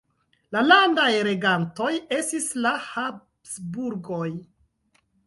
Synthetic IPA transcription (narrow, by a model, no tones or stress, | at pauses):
lalandajɾe̞ɡanto̞je̞stislaha | sbuɾɡo̞j